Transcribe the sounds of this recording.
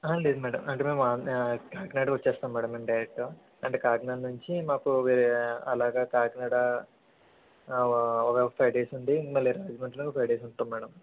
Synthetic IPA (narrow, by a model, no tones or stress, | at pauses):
aːleːd̪umɛːɽɐmɐɳʈeːme̞ːmaːkaːknaːɖɐʋɐt͡ʃːɛːst̪aːmɛːɽɐmːɐmɖɐjɾek̚ʈoː | ɐɳʈeːkaːknaːɖnuɲt͡ʃimaːpuʋiːɾɐlaːɡaːkaːknaːɽɐ | ɔkeːpʰɐjɖeːsund̪ind̪imɐliɾaːd͡ʒimɐɳʈlopʰɐjɖeːsuɳʈuːmɛːɽɐm